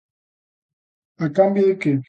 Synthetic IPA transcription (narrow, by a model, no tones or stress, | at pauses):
akambieke